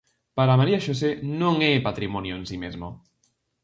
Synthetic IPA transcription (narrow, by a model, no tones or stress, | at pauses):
paɾamaɾiaʃosenõŋepat̪ɾimonjoẽnsimezmo